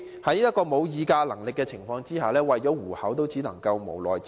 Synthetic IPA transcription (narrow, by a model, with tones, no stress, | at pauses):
hɐ˨˥jɐ˥t̚kːɔː˧mo˨˧wjiː˨˧kaː˧lɐ˨˩ŋlɪ˨kːɛː˧t͡sʰɪ˨˩ŋfɔː˧ŋt͡siː˥haː˨˩lɛː˥wɐ˨jt͡ʃɔː˨˥wuː˨˩hɐ˨˥wt̪o˥wt͡siː˨˥nɐ˨˩ŋkɐ˧wmo̰˨˩wlɔː˨jt͡s